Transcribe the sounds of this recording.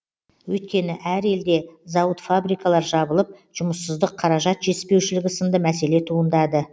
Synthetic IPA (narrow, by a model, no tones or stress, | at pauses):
wɵjt̪kʲe̞nɪʔæɾe̞ld̪e̞zɑwət̪fabɾijkɑlˠɑɾʒɑbəlˠəp̚ʒ̥ʊməsːəzd̪əqʰɑɾɑʒɑt̪ʒ̥e̞spe̞wʃɪlɪɡʲɪsənd̪əmæse̞le̞t̪ʰuənd̪ɑd̪ə